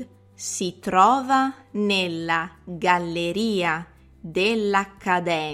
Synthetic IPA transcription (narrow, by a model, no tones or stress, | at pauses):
sit̪ɾɔːvanelːaɡalːeɾiːa | d̪elːakːad̪ɛː